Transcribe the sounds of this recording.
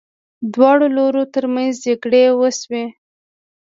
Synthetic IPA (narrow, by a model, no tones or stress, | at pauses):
d̪wɑɽoloɾot̪əɾmanzd͡ʒaɡɽewəswe